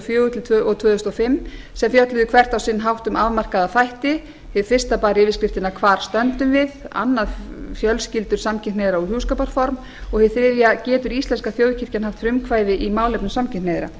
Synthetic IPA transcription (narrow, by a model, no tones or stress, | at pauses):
fjøːʏt̪ʰɪlt̪ʰːɔt̪v̥œːðʏst̪ɔfɪmː | sɛmfjœt̪lʏðʏkʰvɛr̥t̪awsɪnːɦawht̪ʏmavmar̥kaðaθajht̪ɪ | hɪðfɪr̥st̪apaːɾɪvɪskɾɪft̪ɪnakʰvaːɾ̥st̪œnt̪ʏmvɪða̰nːaðfjœlscɪlt̪ʏɾ̥samcʰɪnnejðɪɾaɔɣhjuːskawpaɾfɔɾm | ɔɣhɪðθɾɪvjacɛːt̪ʏɾist̪lɛnskaθfjoːwðcʰɪr̥canɦaft̪fɾʏmkʰvaːjðɪʔimaːwlɛpnʏsamcʰɪnnejðɪɾa̰